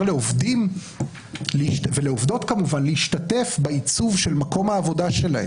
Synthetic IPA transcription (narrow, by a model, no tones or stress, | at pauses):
leovdim | lʃveleovdo̞tkamuvanlehiʃtate̞fbait͡suvʃe̞lmako̞mhaːvo̞daʃe̞lahe